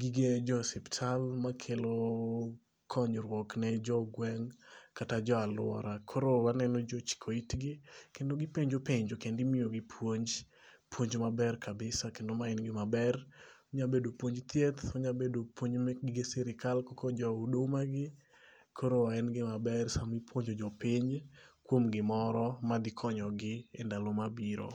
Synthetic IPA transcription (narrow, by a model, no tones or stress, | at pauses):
ɡiɡed͡ʒɔsɛptʰalmakʰelo | kʰɔɲɾwɔknɛd͡ʒɔɡwɛŋkatad͡ʒɔalʊ̰wɔ̰ɾakʰɔɾowanɛnɔd͡ʒɔt͡ʃi̥kʰoitɡɪkendoɡɪpeɲd͡ʒopeɲd͡ʒokendɪmɪjoɡipʰwoɲd͡ʒ | pwoɲd͡ʒmabɛrkʰabɪsakendomaɛnɡɪmabɛr | oɲabedopwoɲd͡ʒt̪jet̪oɲabedopwoɲd͡ʒmɡesɛɾɪkalkɔkod͡ʒɔudomaɡɪ | kʰoɾowaɛnɡɪmabɛrsamipwoɲd͡ʒod͡ʒɔpiɲkwomɡɪmɔɾɔmad̪ɪkʰɔɲɔɡɪɛndalomabiɾo̰